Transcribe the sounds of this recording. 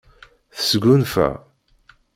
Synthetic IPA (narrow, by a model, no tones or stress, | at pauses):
θə̥sɡunfæ̰